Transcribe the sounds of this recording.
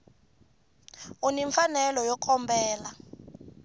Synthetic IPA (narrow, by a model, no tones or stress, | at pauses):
uniɱfanɛlɔjɔkʼʰɔmbɛːla